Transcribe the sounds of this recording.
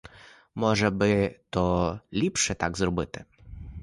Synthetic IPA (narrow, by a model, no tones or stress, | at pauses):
mɔʐɛbɘt̪ɔlʲipʂɛt̪aɡzɾɔbɨt̪ɪ̥